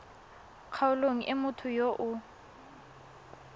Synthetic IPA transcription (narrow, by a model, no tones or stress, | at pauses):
kʰaʊloŋ̩ʔɪmʊtʰʊjoʔʊ